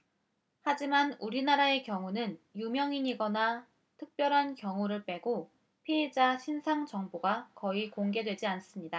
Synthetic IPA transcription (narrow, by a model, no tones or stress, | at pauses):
had͡ʑimanuɾinaɾae̞kjʌŋunɯnjumjʌŋiɲiɡʌna | tʰɯk̚p͈jʌɾɦankjʌŋuɾɯɭp͈e̞ɡo | pʰied͡ʑaɕʰinsʰaŋt͡ɕʌŋboɡakʌikoŋɡe̞dwe̞d͡ʑians͈ɯmɲida